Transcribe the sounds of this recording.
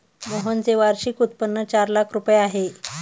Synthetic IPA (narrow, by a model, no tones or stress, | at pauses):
məɦənd͡zeʋaɾɕiːkut̪̚pənːət͡ɕaɾlakʰɾupjeaɦe